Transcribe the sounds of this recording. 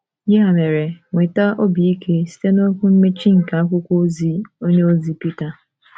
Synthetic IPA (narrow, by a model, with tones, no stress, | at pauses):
ji˦a˨me˨ɾe˨ŋʷe˨ta˦ʔo˦bi˨i˦kʰe˦si̥˦te˦no˦kʷu˦m̩˦me˦t͡ʃi˦ŋ̩˨ka˨a˦kʷʊ˦kʷo˦zi˦o˦ɲe˦o˦zi˦pi˦ta˨